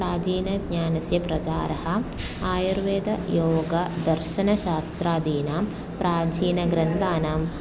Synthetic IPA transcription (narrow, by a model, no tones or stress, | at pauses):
ɾaːd͡ʒiːnɐɡɲaːnɐsjɐpɾɐt͡ʃaːɾɐɦɐ̆ | aːjuɾʋeːd̪ɐjoːɡɐd̪ɐɾʃɐnɐʃaːst̪ɾaːd̪iːnaːm | pɾaːd͡ʒiːnɐɡɾɐnd̪aːnaːm